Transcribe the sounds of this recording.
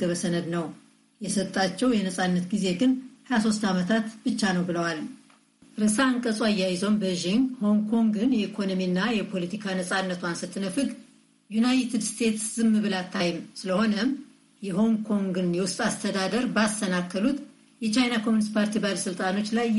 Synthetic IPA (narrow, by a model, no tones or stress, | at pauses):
ɡəβəsənəd̪nəw | jɛsət̪ʼːat͡ʃːɛwjɛnəsʼanːət̪ɡize̞ɡɨnhajas̬o̞st̪amət̪ʰat̪bɨt͡ʃːanəwbɨləwal | ɾɨsaɨŋkʼəsʼuajːajɪzombəʒiŋho̞ŋkʰo̞ŋɡɨnjɛikʰo̞no̞minːajɛpʰo̞lət̪ʰikʰanəsʼanːət̪ʰuansɨt̪ʰːɨnəfɨɡ | junajt̪ʰɨd̪st̪ʰe̞t̪szɨmːɨβɨlat̪ʰːajɪmsɨləho̞nəm | jɛɦo̞ŋkʰo̞ŋɡɨnjɛwʊst̪ʼast̪ʰəd̪ad̪əɾbast̪ʰənakʰːəlut̪ | jɛt͡ʃajnakʰo̞munɨst̪pʰaɾt̪ʰibaləsɨlt̪ʼano̞t͡ʃːlaj